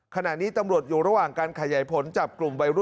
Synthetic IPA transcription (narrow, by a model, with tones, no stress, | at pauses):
kʰa˧na˨˩ʔniː˦˥t̪a˧mɾu˨˩ət̪̚juː˨˩ɾa˧waː˨˩ŋkaː˧nkʰa˧jaː˩˦jpʰo˩˦nt͡ɕaː˨˩p̚klu˨˩mwa˧jɾu˦˥˩